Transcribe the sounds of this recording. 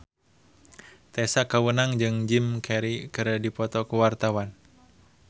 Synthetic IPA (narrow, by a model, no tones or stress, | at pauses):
t̪ɛsakawənaŋd͡ʒɨŋd͡ʒimkʰɛɾikəɾədipɔt̪ɔkuwart̪awan